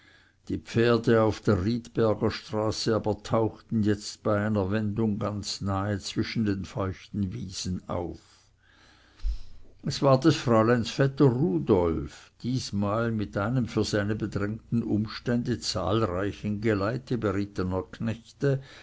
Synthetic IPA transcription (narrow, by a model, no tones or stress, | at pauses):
d̥iːpp͡feːɐdəaʊfd̥eːɐʁiːtb̥ɛɐɡɐʃtʁ̥aːsəaːbɐtʰaʊxtn̩jɛt͡stb̥aɪaɪnɐvɛndʊŋɡant͡snaːət͡sv̥ɪʃn̩deːnfɔʏçtn̩viːz̥na̰ʊf | ʔɛsv̥aːɐdɛsfʁ̥aʊlaɪnsfɛtəʁuːdɔlfd̥iːsmaːlmɪtʔaɪnəmfyːɐzaɪnəbədʁɛŋtn̩ʔʊmʃtɛndət͡sa̰ːlʁaɪçənɡəlaɪtəbəʁɪtənɐkʰnɛçtə